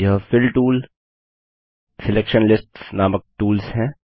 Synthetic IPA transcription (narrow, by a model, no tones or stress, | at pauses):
jɦfɪlʈuːl | sɪlɛkʃənlɪsʈsnaːmək̚ʈuːlsɦɛ̃ː